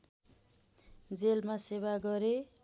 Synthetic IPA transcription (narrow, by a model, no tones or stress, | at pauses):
d͡zelmaseβaɡʌɾe